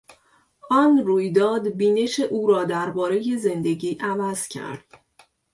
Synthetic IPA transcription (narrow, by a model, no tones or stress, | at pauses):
ʔɒːnruːjd̪ɒːd̪biːne̞ʃeʔuːɾɒːd̪æɾbɒːɾe̞je̞ze̞nd̪e̞ɟiːʔævæz̥cʰæ̰ɾd̪̥